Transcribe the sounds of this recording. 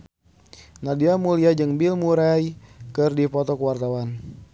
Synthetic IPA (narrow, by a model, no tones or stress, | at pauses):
nadiamuliad͡ʒɨŋbilmuɾajkərdipɔt̪ɔkəwart̪awan